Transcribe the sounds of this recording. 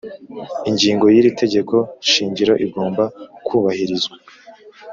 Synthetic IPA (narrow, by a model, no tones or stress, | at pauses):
iɲɟiːŋɡo̞jiɾitʰe̞ɟe̞ko̞ʃiːɲɟiɾoʔiɡo̞ːmbakʰuːβahiɾizɡwa